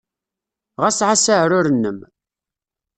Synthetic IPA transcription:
ʁæsʕasaʕɾʊɾənːəm

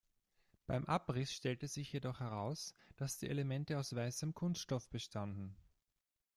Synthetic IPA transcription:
b̥aɪmʔapʁɪsʃtɛltəsz̥ɪçjedɔχhɛʁ̞aʊsd̥asd̥iːʔelemɛntəaʊsv̥aɪsəmkʰʊnstʃtɔfb̥əʃtʰandn̩

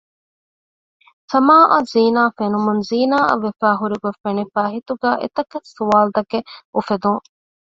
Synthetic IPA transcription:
sɐmaːʔɐziːnaːfenumunziːnaːɐ̰ʋefæːɦuɾiɡofenifæːɦit̪uɡæːʔḛt̪ɐkɐsuʋaːld̪ɐkeufed̪uŋ

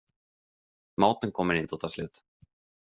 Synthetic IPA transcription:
maːwt̪ənkʰɔmːəɾɪnt̪ɔt̪ʰɑːslʉːt̪

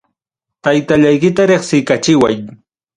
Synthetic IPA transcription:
t̪ajt̪aʎajkɪt̪aɾeχsɪkat͡ʃɪwaj

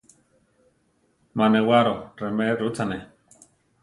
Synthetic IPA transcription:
manewaɾoremeɾut͡sane

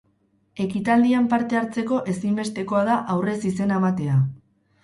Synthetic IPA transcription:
e̞kit̪ald̪iampaɾt̪e̞aɾt͡se̞ko̞ʔe̞simbe̞st̪e̞ko̞aðaʔawre̞sise̞naemat̪e̞a

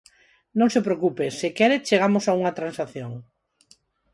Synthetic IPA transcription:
nõŋsepɾeokupesɪkɛɾet͡ʃeɣamosauŋɐt̪ɾansaθjoŋ

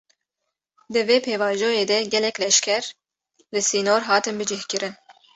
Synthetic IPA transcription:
d̪ɨveːpʰeːvɑːʒoːjeːd̪ɛɡɛlɛkʲlɛʃkʰɛɾ | lɨsiːnoːɾɦɑːt̪ɨnbɨd͡ʒɪhkɨɾɨn

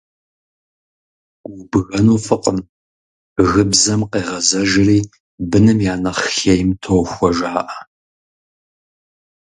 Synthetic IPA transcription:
ʊbɨɣɐnuːfɨqəm | ɣɨbzɐmqeːʁɐzɐʒɪriː | bɨnɨmjaːnɐχxejɪmtʰowxʷɔʒaːʔɐ

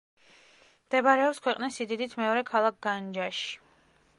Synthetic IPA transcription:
md̪̥ɛbaɾɛɔpskʰwɛqʼnisid̪id̪it̪ʰmɛɔɾɛkʰalˠak̚ɡand͡ʒaʃi̥

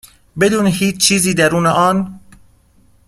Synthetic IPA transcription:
bed̪uːnehiːt͡ʃt͡ʃːʰiːziːd̪æɾuːneʔɒːn

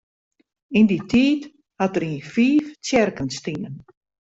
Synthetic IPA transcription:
inditʰiːt | hatəɾiːfiːft͡sjɛrkənstinən

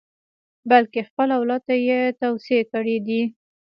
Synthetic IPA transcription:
balkexpəlawlɑt̪t̪ːajet̪awsekəɽed̪i

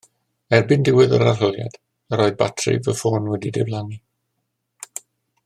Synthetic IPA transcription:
ɛrbɨndɪwɪðə̰ɾarəlˠja̰d̥ | əɾɔːjðbatʰrɪ̰vəfoːnwɛdidɪ̰vlˠaŋi

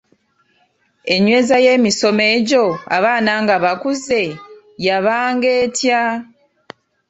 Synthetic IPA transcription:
e̞ɲwe̞ːzaje̞ːmiso̞me̞ːɟo̞a̰βaːnaːŋɡaβakuze̞ | jaβaːŋɡe̞ːtja

